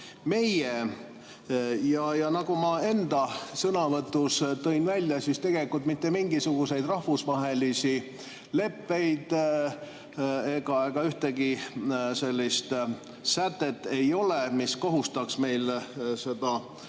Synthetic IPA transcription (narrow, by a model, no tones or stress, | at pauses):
me̞je | jɑjɑnɑɡumɑe̞nd̪̥ɑsɤnɑvɤt̪ːˑust̪o̞jnvælʲːjɑsist̪e̞ɡ̥e̞likːˑult̪mit̪ːe̞miŋɡisuɡ̥use̞jd̪rɑhvusvɑɦe̞lisi | le̞pːe̞jd̪̥ | e̞ɡ̥ɑeɡ̥ɑyht̪eɡise̞lʲːist̪ | sæt̪ːˑe̞t̪ːe̞jo̞lemisko̞ɦust̪ɑksme̞jlse̞d̪ɑ